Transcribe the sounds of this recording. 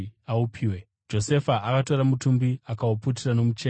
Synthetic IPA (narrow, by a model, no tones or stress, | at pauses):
aupʰiːwe | d͡ʒo̞se̞faʔakato̞ɾamutumbiakaoput̬irano̞mut͡ʃeː